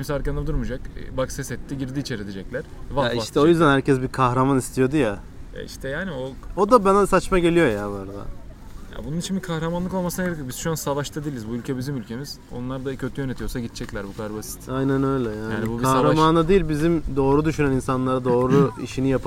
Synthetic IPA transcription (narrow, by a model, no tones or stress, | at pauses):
imsaɾkand̪ad̪uɾmud͡ʒakbaksɛsɛt̪ːiɟiɾd̪iːt͡ʃʰeɾet̪ʰed͡ʒɛclʲæɾ̥vaiʃt̪ʰɛo̞jyzd̪ænhæɾcɛsbiɾkʰaxɾamanist̪ʰijo̞d̪uja | ja̰ḭʃt̪ʰɛjaːnioo̞d̪abænasat͡ʃmaɟe̞lʲijo̞jabaɾad̪a̰ | ja̰bununit͡ʃʰinbikʰahɾamanlˠɯko̞lˠmasɯnaɡɾekbizʃuansavaʃt̪ʰad̪ilʲizbuylʲcʰɛbizimylʲcʰe̞miz̥ | o̞̰nlˠaɾd̪acʰøt̪ʰyjønet̪ʰijo̞saɟit̪̚t͡ʃʰɛclʲæɾbukʰad̪aɾbasi̥t̪ajnænø̞jlʲɛjaːjaːnibubkʰahɾamanad̪ijːilʲbizimd̪o̞ːɾud̪yʃynæninsanlˠaɾad̪o̞ːɾuiʃinijapʰ